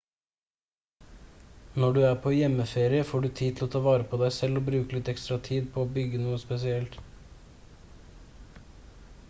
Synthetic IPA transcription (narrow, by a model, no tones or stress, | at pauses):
nɔɖʉːæːpʰoːjɛməfeːɾɪəfoːɖʉːt̪ʰiːl̩oːt̪ʰɑːʋɑːɾəpʰoːd̪æɪsɛloːbɾʉːkəlɪt̪ɛkst̪ɾɑt̪ʰiːd̪pʰoːoːbʏɡənuːəspɛsɪɛlt̪